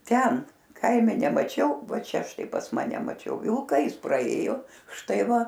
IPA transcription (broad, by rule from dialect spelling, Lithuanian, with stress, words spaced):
ˈtʲɛn ˈkɐɪmʲɛ nʲɛmɐˈt͡ʃʲɛʊ ˈʋɐ ˈt͡ʃʲɛ ˈʃtɐɪ pɐs ˈmɑːnʲɛ mɐˈt͡ʃʲɛʊ ˈʋʲɪlˠkɐ ˈjɪs prɐˈeːjoː ˈʃtɐɪ ˈʋɐ